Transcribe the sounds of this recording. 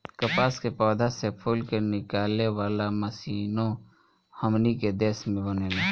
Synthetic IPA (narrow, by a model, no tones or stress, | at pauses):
kəpaːskepɔːd̪ʱasepʰʊlkenɪkaːlːewaːlaməsiːnõ | həmniked̪eːsmẽbəneːleː